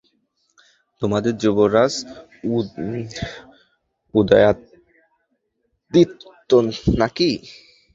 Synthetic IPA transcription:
t̪omad̪eɾd͡ʑuboɾas | ud̪aja | d̪it̪ː | onaki

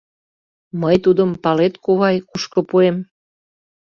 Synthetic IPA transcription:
məjt̪ud̪əmpɑlet̪̚kuβɑjkuʃkŏpuem

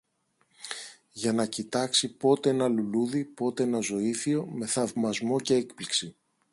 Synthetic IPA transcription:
ʝɐnɐcit̪ɐksipo̞t̪e̞enɐluluðipo̞t̪e̞enɐzo̞iθio̞me̞θɐvmɐzmo̞ce̞ekpliksi

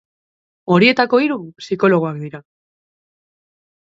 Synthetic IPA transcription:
o̞ɾie̞t̪ako̞iɾusiko̞lo̞ɣ̞oakd̪iɾa

